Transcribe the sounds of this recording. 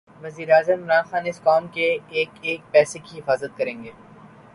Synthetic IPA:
ʋɐziːɾeaːzəmɪmɾaːnxaːnɪskɔːmkeeːkeːk̚pɛːsekiɦɪfaːzət̪̚kɐɾẽːŋɡeː

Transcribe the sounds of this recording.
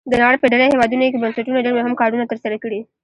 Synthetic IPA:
d̪ənɑɽəpəɖaɽahewɑd̪unokebansaʈunoɖaɽbaɦamkɑɖunat̪əɾsaɾakəɽi

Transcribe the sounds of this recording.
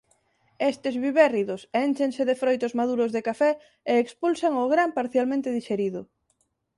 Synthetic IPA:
est̪ezβiβɛriðʊsent͡ʃeŋseðefɾojt̪ʊzmaðuɾʊzðekafɛ | eːkspulsaŋoɣɾampaɾθjalmẽnt̪eðiʃeɾiðʊ

